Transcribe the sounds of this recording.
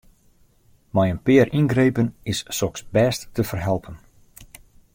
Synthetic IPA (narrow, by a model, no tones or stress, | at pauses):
majənpɪərʔinɡrejpənɪsːɔksbɛːstːəfərɦɛlˠpʰən